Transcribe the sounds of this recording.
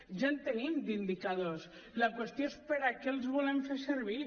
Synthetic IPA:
ʒant̪enimd̪ind̪ikað̞os | ləkwest̪joespəɾakelˠzβulemfeseɾβ̞i

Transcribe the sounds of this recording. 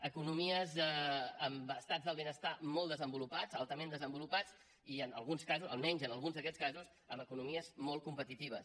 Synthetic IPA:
əkunumiəzɛəmbəst̪ad͡zðəlˠβenəst̪amɔlˠd̪əzəmbulupad͡zalˠt̪əmẽnd̪əzəmbulupat͡s | iənə̰lˠɣunskazuə̰lˠmɛɲzənəlˠɣunzðəkɛskazus | əməkunumiəzmɔlˠkumpət̪it̪iβ̞əs

